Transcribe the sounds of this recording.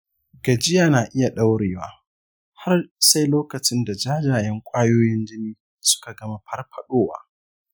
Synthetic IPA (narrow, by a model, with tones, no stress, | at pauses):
ɡɐ˨d͡ʒɪ˦jaː˨naː˨ʔɪ˦ja˨ɗa˦wɽeː˨wa̰ː˦ | ha˦rsa˦jloː˦kɐ˨t͡ʃɪ˦nda˨d͡ʒaː˦d͡ʒaː˨jɐ˦ŋkʷʼaː˦joː˦jɪ˦nd͡ʒɪ˦niː˦ | sʊ̥˦ka˨ɡɐ˦ma˨ɸʰɐ˦rɸʰɐ˨ɗoː˦wa̰ː˦